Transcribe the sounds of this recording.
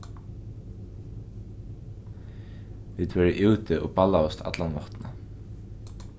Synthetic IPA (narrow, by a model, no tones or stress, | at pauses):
viːt̪vɛɹɪʔɪwt̪ɪʔɔ̰palaʊst̪ʰa̰t̪lanʋɔht̪na̰